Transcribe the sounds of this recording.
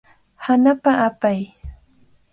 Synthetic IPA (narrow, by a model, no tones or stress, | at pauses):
hanapaʔapaj